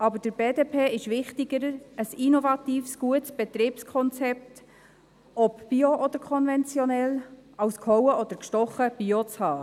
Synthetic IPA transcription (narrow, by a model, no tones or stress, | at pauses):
ɑbəɾd̥əɾbeːdeːpʰeːɪʃʋɪχtɪɡəɾəəsinɔvɑt̪iːfsɡ̥uətsb̥ɛt̪ɾiːpskʰɔnt͡sɛp̚t̪ | ɔpb̥ioʔɔd̥̪əɾkʰɔnvɛnt͡sjɔnɛlɑʊskʰhɔwəɔd̪əɾkʃtɔχəb̥iot͡shɑː